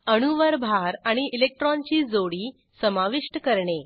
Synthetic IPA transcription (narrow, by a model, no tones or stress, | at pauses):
əɽ̃uʋəɾbʱaɾaɽ̃iʔilek̚ʈɾɔnt͡ɕiːd͡zoɽiː | səmaʋiʂʈəkəɾɳe